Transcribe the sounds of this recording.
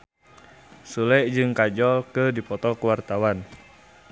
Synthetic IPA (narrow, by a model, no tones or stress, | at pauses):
sulɛʔd͡ʒɨŋkad͡ʒɔlkɨdipɔt̪ɔkuwart̪awan